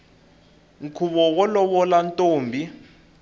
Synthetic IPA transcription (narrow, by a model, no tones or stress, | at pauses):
ŋ̩kʰuβɔwɔlɔɓɔlantʼoːmbʱi